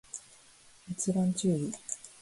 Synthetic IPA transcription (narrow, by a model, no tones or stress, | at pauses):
it͡sɨbãɲ̟t͡ɕɨːbi